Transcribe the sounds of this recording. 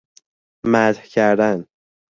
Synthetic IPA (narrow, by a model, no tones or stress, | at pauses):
mæt̪hcʰæɾd̪æn